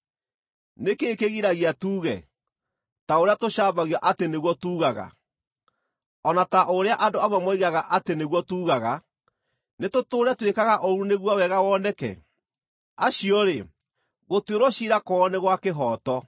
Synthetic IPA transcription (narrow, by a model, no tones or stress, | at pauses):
nekeːkeɣiɾaɣiatuːɣɛ̰ | taoɾeatoɕaːβaɣijaʔateneɣwɔtuːɣaɣa̰ | ɔnataʔoɾeaʔadoamamɔiɣaɣaʔateneɣwɔtuːɣaɣa | netotoːɾɛtwekaɣaʔɔɾuneɣwɔawɛɣawɔːnɛkɛ̰ | aɕiɔɾe | ɣotweɾwɔɕiɾakɔneɣwakeɦɔtɔ